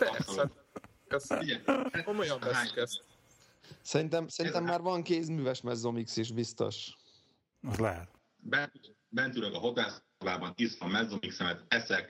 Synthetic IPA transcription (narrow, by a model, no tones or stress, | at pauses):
t̪ɛsɛ | ɛsɛiɛkomojɒmbɛakɛs | sɛɾint̪ɛmsɛɾint̪ɛmːaːrvɒŋkeːzmyːvɛʃmɛzːomiksiʃbist̪o̰ʃ | ɒzlɛɦɛt̪ | bɛnt̪ː | bɛnt̪ylɛɡɒɦo̞t̪aːs | baːbɒnisfɒmːɛzːomiksɛmɛt̪ɛsɛk